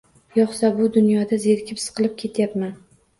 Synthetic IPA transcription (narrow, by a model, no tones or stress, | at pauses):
jɒχsabʊd̪ʊnjɒd̪azeɾkʲɪpsɨ̥qʰɨlˠɪp̚kʲʰe̞t̪ʰjapman